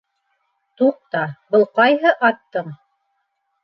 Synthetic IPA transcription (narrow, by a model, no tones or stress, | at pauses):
t̪uq̚t̪ɑbɤ̆lˠqɑjɦɤʔɑt̪ːɤɴ